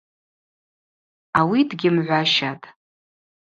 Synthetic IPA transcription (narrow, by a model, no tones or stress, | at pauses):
awidɡʲɪmʕʷaʃatʼ